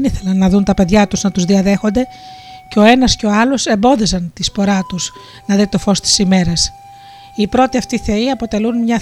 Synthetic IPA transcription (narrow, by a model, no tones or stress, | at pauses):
niθe̞lɐnːɐðunt̪ɐpe̞ðʝɐt̪uznɐt̪uzðiɐðe̞xo̞nd̪e̞ | ceo̞e̞nɐsce̞o̞ɐlo̞se̞mbo̞ðisɐnt̪ispo̞ɾɐt̪us | nɐðit̪o̞fo̞st̪i̥sime̞ɾɐs | ipɾo̞t̪iɐft̪iθe̞iɐpo̞t̪e̞lunmɲɐ